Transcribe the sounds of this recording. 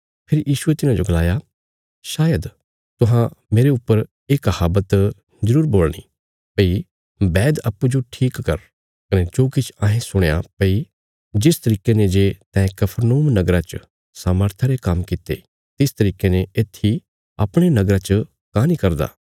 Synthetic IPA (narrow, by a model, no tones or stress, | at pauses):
pʰɪɾjiːʃuet̪ɪnãd͡ʒoɡɐlaːja | ʃaːjəd̪ | t̪ʊɦãmeːɾeʊpːəɾ | ekhaːbət̪ | zɐɾuːɾboːlñḭ | pəi | bɛːd̪ɐpːud͡ʒoʈʰiːkːɐɾ | kɐnet͡ʃoːkɪt͡ʃʰãːɦẽsʊɽ̃eja̰pɐi | d͡ʒɪst̪ɐɾiːkenẽd͡ʒeːt̪ɛ̃kɐpʰəɾnoːmnɐɡɾat͡ʃ | saːməɾt̪ʰaɾekɐmkɪt̪ḛ | t̪ɪst̪ɐɾiːkeneeːt̪ʰːi | ɐ̰pɽ̃enɐɡɾat͡ʃ | kãːnikɐɾd̪a̰ː